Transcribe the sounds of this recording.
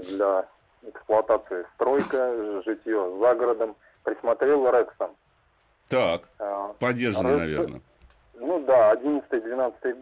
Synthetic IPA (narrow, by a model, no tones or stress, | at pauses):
d̪lʲa | ɛksplˠʊɐt̪at̪sɨɪst̪ɾo̞jkəʐɨtʲjozaɡəɾəd̪əm | pɾʲɪsmɐt̪ɾʲe̞lˠɾɛksən | t̪akpɐdʲːerʐənənɐ̰vʲe̞nə̰ | nud̪aɐdʲinət̪st̪əjəd̪vʲɪnat̪sə̥t̪əjə